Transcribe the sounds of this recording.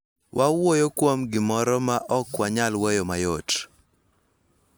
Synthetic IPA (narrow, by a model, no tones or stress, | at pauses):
wʔawojokwomɡɪmɔɾɔmaʔɔkwaɲalwɔjɔmajot